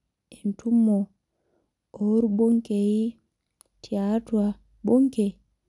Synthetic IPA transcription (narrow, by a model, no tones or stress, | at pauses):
ɛntumːɔ | oɾboŋkeji | tʰiatua | boŋkɛ